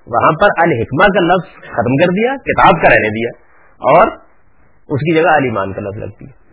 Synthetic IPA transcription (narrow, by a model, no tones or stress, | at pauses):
ʋɐ̰ɦãpɐɾɐlɦɪkmak̬alɐfz̥xɐt̪mkɐɾd̪ijakɪt̪aːb̚kaɾɛːned̪ijaː | ɔːɾ | ʊskid͡ʒɐɡaɐliːma̰ːnkalɐ̰fzlɐ̰ɡ̚t̪ijaː